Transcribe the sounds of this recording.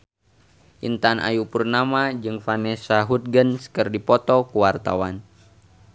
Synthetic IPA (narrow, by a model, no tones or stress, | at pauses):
ʔḭnt̪anʔa̰jupurnamad͡ʒɨŋfanɛsaɦut̪̚ɡənsə̥kərdipɔt̪ɔkuwart̪a̰wan